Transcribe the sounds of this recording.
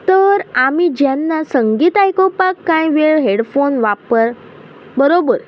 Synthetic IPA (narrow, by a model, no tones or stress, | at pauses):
t̪əɾamid͡ʑjanːasəŋɡiːt̪ajkopakːãjʋeɭɦeɽfonʋapəɾ | bəɾobəɾ